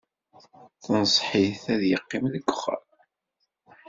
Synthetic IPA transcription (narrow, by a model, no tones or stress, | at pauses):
θənsˤħiθæðjəqːimðəɡʷːʊχə̰ɾ